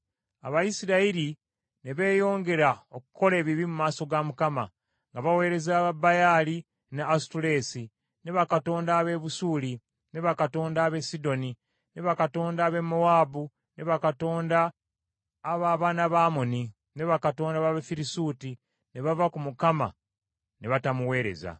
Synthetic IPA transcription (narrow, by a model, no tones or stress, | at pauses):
a̰βajisiɾaiɾi | ne̞βe̞ːjo̞ːŋɡe̞ɾaokuko̞le̞ːβiβimumaːso̞ɡamukama̰ | ŋɡaβawe̞ːɾe̞zaːβabajaːli | neastuɾe̞ːsi | ne̞βakato̞ːndaːβe̞βusuːli | ne̞βakato̞ːndaːβe̞sido̞ni | ne̞βakato̞ːndaːβe̞mowaːbu | ne̞βakato̞ːndaː | βaβaːnaβaːmo̞ni | ne̞βakato̞ːndaβaβefiɾisuːti | ne̞βavakumukama̰ | ne̞βatamuwe̞ːɾe̞̰za̰